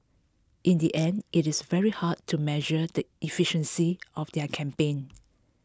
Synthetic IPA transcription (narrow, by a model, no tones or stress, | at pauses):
ʔĩndiʔɛ̃ndʔitɪsvɛɹihad̚tʰumɛʒədəifiʃə̃nsiɔfdɛkʰɛ̃mpẽn